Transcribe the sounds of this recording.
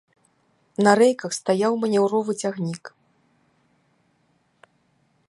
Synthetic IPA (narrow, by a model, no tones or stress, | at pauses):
nɐɾɛjkɐxst̪ajawmɐnʲɛwɾɔvɨt͡sʲaɣnʲik